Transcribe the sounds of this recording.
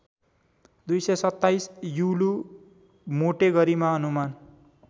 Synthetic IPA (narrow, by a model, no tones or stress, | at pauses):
d̪ujsʌsʌt̪ːajsjulu | moʈeɡʌɾimaʌnuman